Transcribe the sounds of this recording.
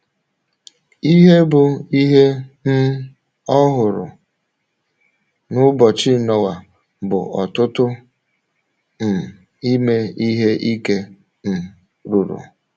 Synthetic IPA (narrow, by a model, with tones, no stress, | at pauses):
i˦ɦe˦bʊ˨i˦ɦe˦n̩˦ | ɔ˦ɦʊ˨ɾʊ̰˨ | nʊ˦bɔ˨t͡ʃɪ˦˨nɔ˨wa˨ | bʊ̰˨ɔ˨tʊ˦tʊ˦ | m̩˨ | i˦me˦i˦ɦe˦ʔi˦ke˦ | m̩˨ | ɾu˨ɾṵ˨